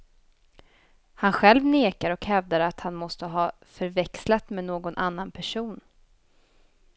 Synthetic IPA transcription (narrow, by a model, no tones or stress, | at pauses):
hanɧɛlvneːkaɾɔkhɛvd̪aɾat̪hanmɔst̪əɦɑː | fœɾvɛkslat̪menoːɡɔnʔanːanpʰæʂuːn